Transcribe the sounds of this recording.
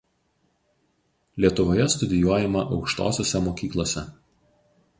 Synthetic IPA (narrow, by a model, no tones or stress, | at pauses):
lʲiɛt̪ʊʋoːjɛst̪ʊd̪ʲɪjuɔjɛmɐʔɒʊkʃt̪o̰ːsʲoːsʲɛmoːkʲiːklˠoːsʲɛ